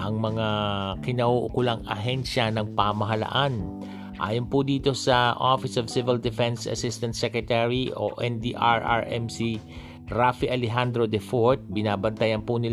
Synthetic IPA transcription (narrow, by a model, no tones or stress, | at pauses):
ʔɐŋmɐŋakɪnɐʔuʔʊkʊlaŋɐ̰ɦɛnʃɐnɐŋpamɐɦɐlɐ̰ʔan | ʔa̰ːjonpʊd̪iːt̪osɐʔofɪsɐvsɪvɪld̪ɛfɛnsɐ̰sɪst̪ɐnt̪sɛkɹɛt̪ɛɹiʔo̰ʔɛnd̪iʔaɹa̰ɹʔɛmsi | ɹafiʔɐlɛɦand̪ɾod̪ɛfoɹt̪̚bɪnaːbɐnt̪ɐjɐnpʊnɪ